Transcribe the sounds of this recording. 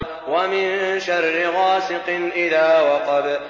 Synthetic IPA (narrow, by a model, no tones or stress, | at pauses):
wamɪnʃarˤːɪɣaːsɪqɨnʔɪðaːwɑqɑb